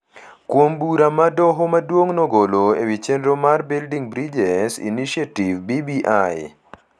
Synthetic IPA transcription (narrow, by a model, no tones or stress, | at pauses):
kwombuɾamadɔɦomadwoŋnɔɡoloḛwit͡ʃendɾomarbildiŋbɾid͡ʒɛsḭniʃiativbibiʔaj